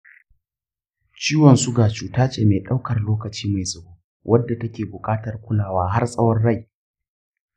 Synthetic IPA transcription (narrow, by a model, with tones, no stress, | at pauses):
t͡ʃiː˦wɔ˨nsu˦ɡaː˨t͡ʃuː˨taː˦t͡ʃeː˨meː˨ɗa˦wkɐ˨rloː˦kɐ˨t͡ʃiː˦ma˨jzɐ˨buː˦ | wʔɐ˦dːa˨tɐ˦kʲeː˨bʊ˨kʼaː˦tɐ˨rkʷʊ˦laː˨waː˦ɦa˦rsʼɐ˦wɔ˦nɽa˦˨j